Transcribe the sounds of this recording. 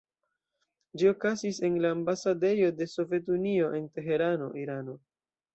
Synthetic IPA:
d͡ʒio̞kazise̞nlaːmbasade̞jo̞de̞so̞ve̞t̬unio̞ʔe̞nte̞ɦe̞ɾano̞̰ʔiɾano̞

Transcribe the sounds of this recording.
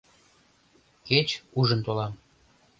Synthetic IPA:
ket͡ɕuʒə̆nt̪olɑm

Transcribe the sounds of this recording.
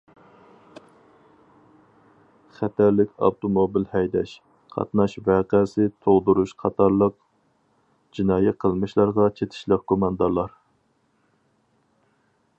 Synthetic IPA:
χæt̪ʰæɾlɪkʲɑ̰wt̪ʰomobilhɛjd̪ɛʃ | qʰɑ̰t̪nɑʃvæːqɛsɪt̪ʰoʁd̪uɾuʃqʰɑt̪ʰɑɾlˠəq | d͡ʒinɑːjɛqʰəlˠmɨʃlˠɑɾʁɑt͡ʃʰet̪ʰɪ̥ʃlɪk̚kʰomɑnd̪ɑɾlˠɑɾ

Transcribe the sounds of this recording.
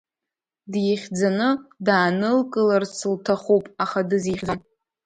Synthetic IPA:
djiχʲd͡zanɨdaːnɨlkʼɨlarsɨltʰaχupʼaχadɨziχʲd͡zan

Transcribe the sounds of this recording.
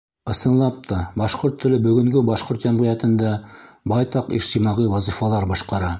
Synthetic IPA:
ɤ̆sɤ̆nlˠɑp̚t̪ɑbɑʃqoɾt̪ʰːɵ̆lɘbɵ̆ɡɵ̆ŋɡɘbɑʃqoɾt̪jæmʁĭjæt̪ɘ̆nd̪æ | bɑjt̪ɑqḭʃt̪imɑʁiwɑzifɑlˠɑɾbɑʃqɑɾɑ

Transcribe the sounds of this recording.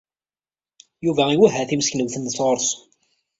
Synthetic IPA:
juvæiwæɦæθimsknəwθənd̪əsʁoɾs

